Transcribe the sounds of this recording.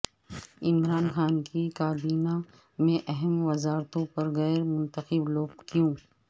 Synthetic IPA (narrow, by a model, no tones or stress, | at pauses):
ɪmɾaːnxaːnkikaːbiːna | mẽʔɛɦɛmʋɐzaːɾt̪õpɐɾɣɛːɾmʊ̃nt̪əxɪbloːɡ̚kjõː